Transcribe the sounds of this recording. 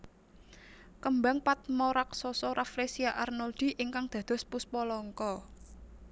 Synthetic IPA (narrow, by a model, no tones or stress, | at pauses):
kəmbaŋpat̪̚mɔɾaksɔsɔɾaflesiaʔarnɔld̪̥i̤ʔiŋkaŋd̪̥ä̤d̪̥ɔ̤spuspɔlɔŋkɔ